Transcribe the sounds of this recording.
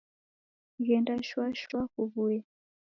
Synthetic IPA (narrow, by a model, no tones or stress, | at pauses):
ɣɛndaʃwaʃwakuβuɛ